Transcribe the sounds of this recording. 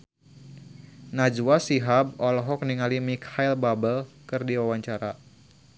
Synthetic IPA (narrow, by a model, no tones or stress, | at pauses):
nad͡ʒwasiɦab̚ɔlɔɦɔk̚niŋalimikhajlbabəlkɨrdiwawaɲt͡ʃaɾa